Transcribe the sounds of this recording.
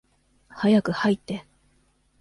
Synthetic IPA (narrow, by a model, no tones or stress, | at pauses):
hajakɯ̟hait̪ːe̞